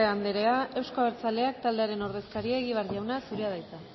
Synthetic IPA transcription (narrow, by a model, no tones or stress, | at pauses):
eand̪eɾe̞ae̞wsko̞aβeɾt͡sale̞akt̪ald̪eaɾe̞no̞ɾð̞e̞skaɾieɣiβaɾʝawnasuɾeað̞ajt͡s̪a